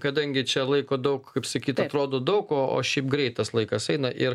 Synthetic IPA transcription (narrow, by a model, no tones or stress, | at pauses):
kɐd̪ɐŋʲɡʲɪt͡ʃʲɛlˠɐɪkoːd̪ɐʊkkɐɪpsɐkʲiːt̪ɐt̪ɾoːd̪oːd̪ɐʊkoːo̰ːʃʲɛɪpɡɾʲɛɪt̪ɐslˠɐɪkɐsɛɪnɐʔɪɾ